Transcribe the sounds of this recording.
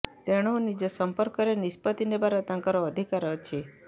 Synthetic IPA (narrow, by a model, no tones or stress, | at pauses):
t̪eɽ̃onid͡ʒəsəmpəɾkəɾenispət̪inebaɾət̪ãŋkəɾoəd̪ʱikaɾət͡ʃʰe